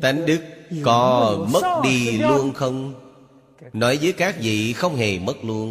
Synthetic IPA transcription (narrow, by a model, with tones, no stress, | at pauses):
t̪a˨˦ŋɗɨ˦˥k̚kɔ˨˦mə˦˥t̚ɗi˧lu˧ənxə˧wŋ͡m | nɔ˨˦jvəː˨˦jkaː˦˥k̚vḭ˧˨xə˧wŋ͡mɦe˨˩mə˦˥t̚lu˧ən